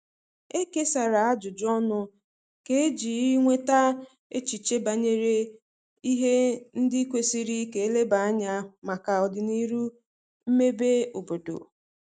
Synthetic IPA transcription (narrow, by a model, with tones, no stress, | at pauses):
e˦ke˦sa˨ɾa˨a˦d͡ʒʊ˨d͡ʒɔ˦nʊ˦ | ke˦e˦d͡ʒi˨i˦ŋʷe˦ta˦ | e˦t͡ʃi˨t͡ʃe˦ba˨ɲe˨ɾe˦ | i˦ɦe˦n̩˦dɪ˦kʷe˦si˦ɾi˦ke˨˦e˦le˦ba˨a˦ɲa˦ma˨ka˨ɔ˨dɪ˨ni˦ɾu˦ | m̩˦me˦be˦o˨bo˨do̰˨